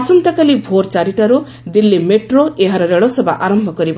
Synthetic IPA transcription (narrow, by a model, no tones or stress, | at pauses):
sɔnt̪akalibʱoɾt͡ʃaɾiʈaɾu | d̪ilːimeʈɾoeɦaɾɔɾeɭɔsɔba̰ʔaɾɔmbʱɔkɔɾiba